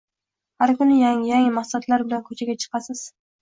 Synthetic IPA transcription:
haɾkʊnɪjaŋjaŋɪmaχsat̪ʰlaɾbɪlankʰɵt͡ʃʰaɡʲat͡ʃʰɨ̥qʰɑsɪz̥

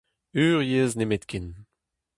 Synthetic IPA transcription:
yːʁjeːznemet̪kʲʰin

